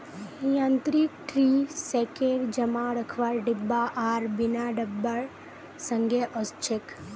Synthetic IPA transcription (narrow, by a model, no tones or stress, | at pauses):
jãnt̪ɾikʈɾisekeːɾd͡ʒəmaɾəkʰʋaɾɖɪbːaʔaːɾbɪnaɖəbːəɾ | sə̃ŋɡʱjəʔɔst͡ʃʰek